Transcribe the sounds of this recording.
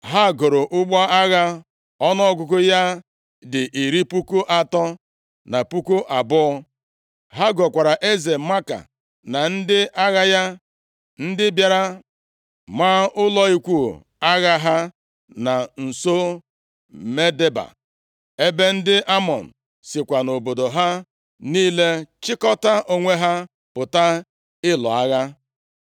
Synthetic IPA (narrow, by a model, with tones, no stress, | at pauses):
ɦa˦˨ɡʊ˨ɾʊ˨ʔʊ˦ɡ͡ba˦a˦ɣa˦ | ɔ˦nɔ˦ɔ˦ɡʷʊ˨kʊ˦ja˦ | dɪ˨ʔi˨ɾi˦pu˦ku˦ʔa˨tɔ˦ | na˨pu˦ku˦ʔa˨bʊ˦ɔ˦ | ɦa˦ɡɔ˨kʷa˨ɾa˨ʔe˦ze˨ma˦ka̰˨ | na˨n̩˦dɪ˦ʔa˦ɣa˦ja˦ | n̩˦dɪ˦bja˨ɾa˦ | ma˦ʊ˦lɔ˦i˦kʷu˦˨ | a˦ɣa˦ɦa˦ | na˨n̩˨so˦ | me˦de˦ba̰˨ | e˦be˦n̩˦dɪ˦ʔa˦mɔ˨n̩˨ | sɪ˨kʷa˨no˨bo˨do˨ɦa˦ | niː˦le˦t͡ʃɪ˦kɔ˦ta˦ʔo˦ŋʷe˦ɦa˦ | pʊ˨ta˦ | ɪ˦lɔ̰˨a˦ɣa˦